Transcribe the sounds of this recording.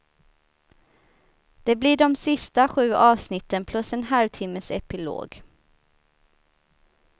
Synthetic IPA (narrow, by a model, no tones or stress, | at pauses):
d̪̥eːbliːɖɔmsɪst̪əɧʉːʔɑːʋsnɪt̪ənpʰlʉsɛnhɑlʋt̪ʰɪməsɛpɪlo̰ːɡ